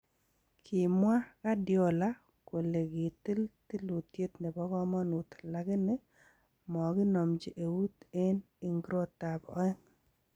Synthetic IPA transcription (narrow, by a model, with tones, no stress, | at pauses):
kʰɪ˨mwa˦ka˦djɔ˦˨la˦ | ko˨le˨ɡɪ˨t̪i˦lt̪i˦lu˨t̪je˦t̪ne˨bɔ˦ɡɔ˦mɔ˦nʊ˨t̪la˨ɡɪ˦nɪ˦ | mɔ˨ɡɪ˦nɔ˨md͡ʒi˦ʔe˨u˦t̪e˦n | i˨ŋɡɾo˦t̪a˨bɔ̰˨˦ɛ˦ŋ